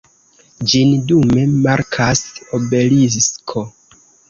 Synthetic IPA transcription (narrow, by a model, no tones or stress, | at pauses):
d͡ʒindume̞maɾkʰasobe̞lisskʰo̞